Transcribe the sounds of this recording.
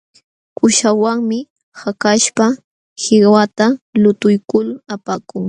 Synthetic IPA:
kʊʃawaŋmɪ | hakaʃpa | hɪɢwat̪alʊt̪ʊjkʊlapaːkʊŋ

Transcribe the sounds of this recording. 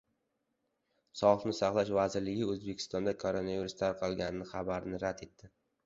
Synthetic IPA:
sɒfnɪsɑχlˠaʃvazɪɾlɪɡʲɪɵzbekʲʰɪ̥st̪ɒnd̪akʰoɾonaviɾust̪ʰaɾqʰɑlˠɡʲanɪnɪχabaɾɪnɪɾad̪e̞t̪ʰːɪ

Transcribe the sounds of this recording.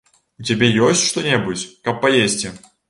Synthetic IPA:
ut͡sʲabʲejɔsʲt͡sʲʂt̪ɔnʲɛbut͡sʲkɐpːajesʲt͡sʲi

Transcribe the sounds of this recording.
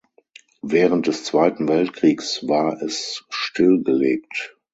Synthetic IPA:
vɛːʁənt̚d̥ɛst͡sv̥aɪtn̩vɛltkʁ̥iːksvaːɐʔɛsʃtɪlɡəleːk̚t

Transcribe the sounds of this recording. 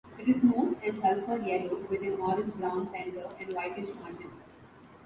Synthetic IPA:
ɪʈɪznõːnʈɪ̃nkɛlfəɾjɛloːʋɪd̪ɪ̃nɔːɾɪ̃nd͡ʒbɾãʊ̃nsæ̃ːɳɖəɾɛ̃ɳɖʋaɪʈɪʃmãɪɳʈɪ̃n

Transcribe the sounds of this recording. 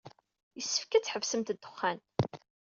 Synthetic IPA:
jəsːə̥fkæt͡sːħəvsəmt̪d̪ːəχːæn

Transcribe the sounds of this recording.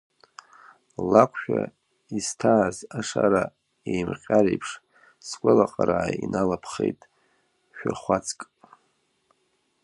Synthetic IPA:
lakʷʰʃᶣa | istʰaːzaʂaɾa | ejmqʲʼaɾejpʰʂ | sɡʷalaqʼaɾaːjinalapʰχejtʼ | ʃᶣaχʷat͡sʰʼkʼ

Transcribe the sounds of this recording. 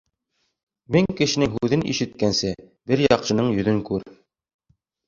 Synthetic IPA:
mɘŋkɘ̆ʃɘ̆nɘŋɦuðɘnḭʃɘ̆t̪kænsɘ | bɘɾjɑqʃɤ̆nɤɴjɵ̆ðɵŋkʉɾ

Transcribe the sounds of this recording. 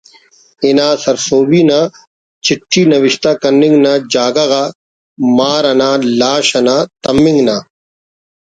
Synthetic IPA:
inaːsɐɾsoːbiːnaː | t͡ɕɪʈʰːiːnɐʋɪʃt̪aːkɐnːɪ̃ŋɡnaːd͡ʑaːɡaɣa | maːɾɐnaːlaːɕɐnaːt̪ɐmːɪ̃ŋɡnaː

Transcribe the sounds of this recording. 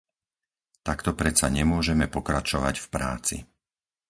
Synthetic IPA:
t̪akt̪ɔpɾɛt͡saɲɛmʊɔʒɛmɛpɔkɾat͡ʃɔʋa̰ɟfpɾa̰ːt͡sḭ

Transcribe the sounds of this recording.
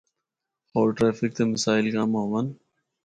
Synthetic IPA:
hoːɾʈɾeːfɪk̚t̪eːməsaːɪlkãːmãːʋan

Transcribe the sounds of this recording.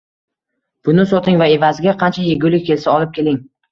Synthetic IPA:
b̥ʊnɪsot̪ʰɪŋvae̞vazɪɡʲaqʰɑnt͡ʃʰajeɡʲʊlɪk̚ʲkʲʰe̞lsaɒlˠɪp̚kʲʰe̞lɪŋ

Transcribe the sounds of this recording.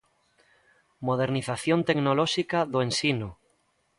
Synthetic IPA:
moð̞eɾniθaθjont̪eɡnolɔʃikaðoẽnsino

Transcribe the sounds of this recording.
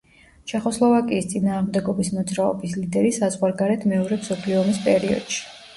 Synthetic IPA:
t͡ʃʰɛχɔslˠɔvakʼiːst̪sʼinaːʁmd̪ɛɡɔbismɔd̪zɾaɔ̰bislid̪ɛɾisazʁwaɾɡaɾɛt̪ʰmɛɔɾɛpsɔpʰliɔmispʼɛɾiɔ̰d̪̥ʃi̥

